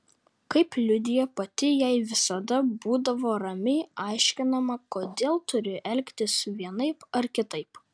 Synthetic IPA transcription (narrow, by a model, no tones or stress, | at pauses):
kɐɪplʲʊd̪ʲɪjɛpɐt̪ʲɪjɛɪʋʲɪsɐd̪ɐbuːd̪ɐʋoːɾɐmʲɪʔɑˑɪʃʲkʲɪnɐmɐkoːd̪ʲeːlˠt̪ʊɾʲɪʔɛlʲkʲt̪ʲɪsʋʲiɛnɐɪpɐɾkʲɪt̪ɐɪp